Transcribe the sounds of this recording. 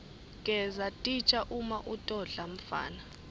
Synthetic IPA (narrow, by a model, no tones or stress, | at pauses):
kʼɛzatʼit͡ʃʼaʔumaʔutʼɔɮam̩fa̰ːna